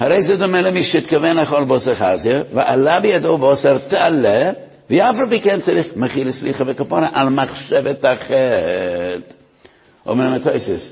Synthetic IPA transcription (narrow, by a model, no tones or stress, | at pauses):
haɾɛɪzɛdɔmɛləmiʃəɪtkavɛnlaχɔlˠbɔsəχazjəvɪʔalabɪjadoːbɔsɛɾtalɛ | viafalˠpikɛnt͡saɾiχməχiləsliχəvəkapɔnəʔalmaχʃɛvətaχɛ | t | ɔ̰mɛɾmatʰɔɪsɪs